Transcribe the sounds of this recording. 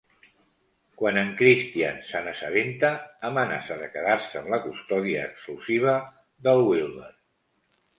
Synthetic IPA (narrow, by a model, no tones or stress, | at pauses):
kwanəŋkɾist̪ia̰nsanəsəβent̪əːməna̰səðəkəðaɾsəəːmləkust̪ɔðiəːkskluziβ̞ə | ðəlˠwilnər